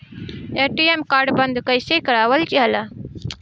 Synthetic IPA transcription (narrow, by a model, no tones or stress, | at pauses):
eːʈiːemkaːɾɖbɐnd̪kɐjsekɐɾaːwɐlt͡ʃiɦɐla